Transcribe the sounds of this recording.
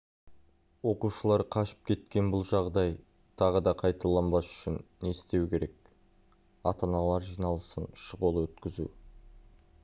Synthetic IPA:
wo̞quʃəlˠɑɾqʰɑʃə̥p̚kʲʰe̞t̪kʲe̞nbʊlˠʒɑʁd̪ɑj | t̪ʰɑʁəd̪ɑqʰɑjt̪ɑlˠɑnbɑsʏ̥ʃɪnːe̞st̪e̞wkʲʰe̞ɾe̞k̚ | ɑt̪ɑnɑlˠɑɾʒijnɑlˠəsənʃəʁolˠwɵt̪kʲɪzṵ

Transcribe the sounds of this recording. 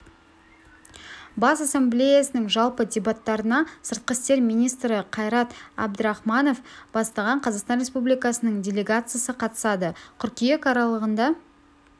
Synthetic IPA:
bɑsasʲe̞mblʲe̞jasənəŋʒɑlˠpədʲe̞bat̪ːɑɾənɑsəɾt̪̚qəst̪e̞ɾmijnijst̪ɾəqʰɑjɾɑt̪ɑ̰b̚d̪əɾɑχmɑno̞fb̥ɑst̪ɑʁɑɴqʰɑzɑqst̪ɑnre̞spublijkɑsənəɴdʲe̞lʲe̞ɡat̪sɨjasəqʰɑt̪ə̥sɑd̪əkʲʰʏɾkʲijekʰɑɾɑlˠəʁənd̪ɑ

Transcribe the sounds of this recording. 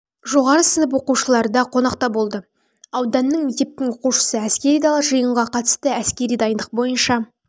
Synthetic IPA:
ʒo̞ʁɑɾəsənəp̬wo̞quʃəlˠɑɾd̪ɑqʰo̞nɑqt̪ɑbo̞lˠd̪ə | ɑwd̪ɑnːəɴmek̚t̪ʲe̞p̚t̪ɪŋwo̞quʃə̥səæskʲe̞ɾijd̪ɑlˠɑʒəjəɴʁɑqʰɑt̪ə̥st̪əæskʲe̞ɾijd̪ɑjənd̪əq̚bo̞jənʃɑ

